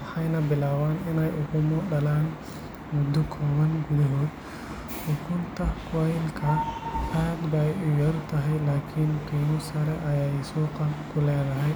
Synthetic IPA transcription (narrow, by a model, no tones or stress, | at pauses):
wɐħɐjnɐbɪlaːwaːnɪnɛjʊɣʊmɔɖɐlaːn | mʊd̪ːʊkʰɔːβɐnɡʊdɐɦoːd̪ | ɔːkʰʊnt̪ʰɐkʰajlkʰɐaːd̪bajʊjɐrt̪ʰɐɦɛjlaːkʰɪnk̪ʰiːnʊsɐɾɛʔɐjajsuːqɑkʰʊlɛːd̪ɐɦɛj